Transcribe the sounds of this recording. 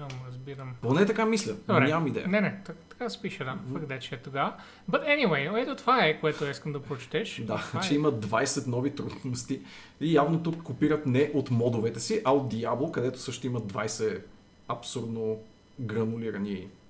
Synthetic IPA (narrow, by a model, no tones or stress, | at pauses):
ɐmɾɐzbiɾəmponɛt̪ɐkamislʲəɾɲʲamɐmid̪ɛ̰jənɛnɛt̪ɐt̪ɐ̥kasɛ̥piʃəd̪afɐɡd̪ɛt͡ʃɛt̪oɡa | bɐt̪ɛniwejoɛt̪ot̪ovaɛkoɛt̪ʊiskəmd̪ɐpɾot͡ʃt̪ɛʃd̪at͡ʃɛimɐd̪vajsɛt̪nɔvit̪ɾud̪nost̪i | ijavnot̪ukːopiɾət̪nɛʔot̪mɔd̪ovɛt̪ɛsiʔɐot̪̚d̪iablˠokɐd̪ɛt̪o̥sɤʃt̪oimɐd̪̚d̪vajsɛ | ɐpsuɾd̪no | ɡɾɐnʊliɾɐni